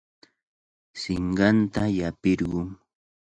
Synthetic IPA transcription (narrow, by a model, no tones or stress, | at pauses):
sɪɴɢɑnt̪ajapɪɾɢʊŋ